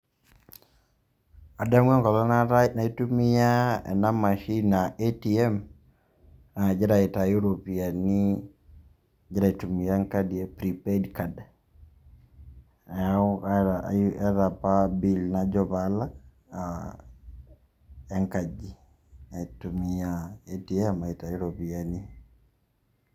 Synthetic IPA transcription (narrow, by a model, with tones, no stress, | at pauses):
a˨da˦mwɛ˦ŋkɔ˨lɔ˦nana˨i˦tu˦mi˦ja˦ɛ̰˨na˦ma˨ʃi˦na˨ʔe˦ti˨ɛ˦m | a˨d͡ʒɛ˦ɾa˨ɪ˨ta˨ju˦ɾo˨pi˨a˨ni˦ | d͡ʒɪ˦ɾa˦i˨tu˨mi˨ja˦ŋka˦di˨e˨pɾipɛ˦dka˨d | ɛ˦ɾa˨pa˦bi˨lnad͡ʒɔβala˦ | a | ɛ˦ŋkad͡ʒi | ɛ˨tu˨miaetiɛ˦ma˨i˨tajuɾopiani